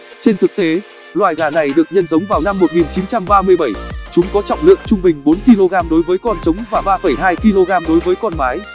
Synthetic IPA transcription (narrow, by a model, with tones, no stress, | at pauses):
t͡ɕe˧nt̪ʰɨ˨˩k̚t̪e˨˦ | lwaː˨˩jɣaː˨˩na˨˩jɗɨ˨˩ək̚ɲə˧nzə˨˦wŋ͡mvaː˨˩wna˧mːo˨˩t̚ŋi˨˩nt͡ɕi˨˦nt͡ɕa˧mɓaː˧mɨ˧əjɓə˧˩jt͡ɕʊ˨˦ŋ͡mkɔ˨˦t͡ɕɔ̰˧˨wŋ͡mlɨ̰˧˨əŋt͡ɕʊ˧ŋ͡mɓï˨˩ŋ̟ɓo˨˦nki˧lo˧ɣaː˧mɗo˨˦jvəː˨˦jkɔ˧nt͡ɕə˨˦wŋ͡mvaː˨˩ɓaː˧fə˧˩jɦaː˧jki˧lo˧ɣaː˧mɗo˨˦jvəː˨˦jkɔ˧nmaː˨˦j